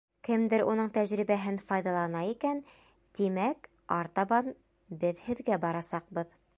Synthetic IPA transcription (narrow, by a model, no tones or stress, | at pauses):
kɘmd̪ɘɾunɤɴt̪æʑɾiβæɦɘnfɑjðɑlˠɑnɑikæn | t̪imæk | ɑɾt̪ɑβɑn | bɘðhɘ̆ðɡæbɑɾɑsɑq̚bɤð